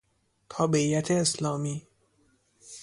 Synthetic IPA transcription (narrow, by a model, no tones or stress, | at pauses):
t̪ʰɒːbe̞iːjæt̪ʰeːslɒːmiː